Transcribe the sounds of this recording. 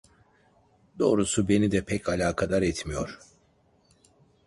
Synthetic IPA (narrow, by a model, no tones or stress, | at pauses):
d̪̥o̞̰ːɾusube̞nid̪ɛpʰɛcʰalʲaːkʰad̪aɾɛt̪mijo̞ɾ̥